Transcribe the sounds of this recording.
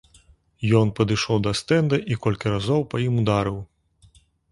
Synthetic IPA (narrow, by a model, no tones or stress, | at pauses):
jɔnpɐd̪ɨʂɔwd̪ɐst̪ɛnd̪ɐʔikɔlʲkʲiɾazɔwpɐjimud̪aɾɨw